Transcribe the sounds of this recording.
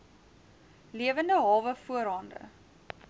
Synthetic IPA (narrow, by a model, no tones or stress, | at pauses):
liəvəndəɦɑːvəfuəɾɑːndə̰